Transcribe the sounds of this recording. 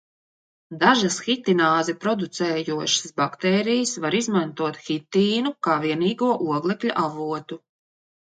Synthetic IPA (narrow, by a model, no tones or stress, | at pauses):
d̪aʒasxit̪inaːzɛpɾɔd̪ut̪sɛːjuɔʃḁsbakt̪ɛːɾijəsvaɾizmant̪uɔt̪xit̪iːnukaːviɛniːɡuɔʔuɔɡlˠɛkʎʲuʔavuɔt̪u